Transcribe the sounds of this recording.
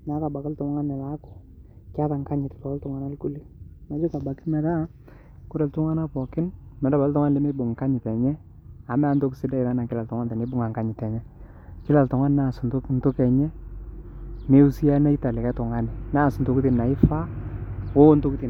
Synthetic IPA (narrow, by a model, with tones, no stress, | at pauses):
na˨˦ka˨ba˨kɪ˦ltʊ˨ŋa˦nɛ˨la˨˦kʊ̥˨ | kɪ˦a˦ta˨ŋka˦ɲɪ˨tpɔ˨kltʊ˨ŋa˨na˦lkʊ˦li˦na˨˦d͡ʒʊ˦ka˨ba˨kɪ˦mɛ˨da˦ | kʊ˦ɾɛ˨ltʊ˦ŋa˦na˦pɔ˨kɪ˦nmɛ˨da˦ba˨˦tʊ˦ŋa˦n˨lɛ˦mɪ˦bʊ˨ŋka˦ɲɪ˨tɛ˨ɲɛ˦ | a˨mɛ˦nto˦ksɪ˦da˦ɪ˨ɾa˦na˨kɪ˦la˨ltʊ˨ŋa˦nta˨nɪ˦bʊ˦ŋa˨ŋka˦ɲɪ˨tɛ˨ɲɛ˦ | kɪ˦la˨ltʊ˨ŋa˦n˦na˦˨sntʊ˦n˦tʊ˦kɛ˨ɲɛ˦ | ne˦u˦si˦a˦na˦i˦ta˨lɪ˨kɛ˦tʊ˨ŋa˦nɪ˨na˦˨sntʊ˦kɪ˦tɪ˨nna˨ɪ˦fa˦wo˦ntʊ˦kɪ˦ti˨